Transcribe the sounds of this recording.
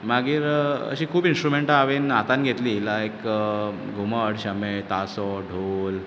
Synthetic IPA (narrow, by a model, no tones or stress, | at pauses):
maɡiːɾə̰ɕiːkʰuːbinsʈɾumeɳʈaaʋenat̪anɡʱet̪liːlaekə | ɡʱuməɽɕəmet̪asɔɖʱol